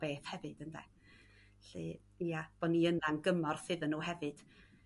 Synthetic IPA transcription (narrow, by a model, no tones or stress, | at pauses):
beːθhɛvɨd̥əndɛ̰ | ɬɨ | iab̥ɔniənanɡəmɔrθɨðənːuːhɦɛvɨd̥